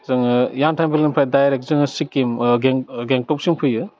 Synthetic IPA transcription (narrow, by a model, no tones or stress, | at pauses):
zɯŋɯjantʰajmpilinpʰajdajɾek̚zɯŋɯsikːimɡeŋɡeŋtɔp̚siŋpʰɯjɯ